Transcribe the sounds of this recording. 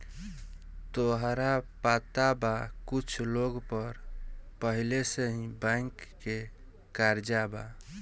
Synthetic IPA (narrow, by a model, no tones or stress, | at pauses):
t̪oɦɾapat̪abakut͡ʃʰloɡpəɾpəɦileseɦĩbãjkːe | kaɾd͡ʒaba